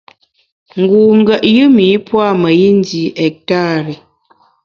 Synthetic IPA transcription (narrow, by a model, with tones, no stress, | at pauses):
ŋ̩˨ɡu˨ŋ̩˦ɡə˨ʔjɯ˦miː˨˦pwa˦˨mə˨ji˦n˦di˨˦ʔɛ˨k̚ta˦˨ɾɛ˨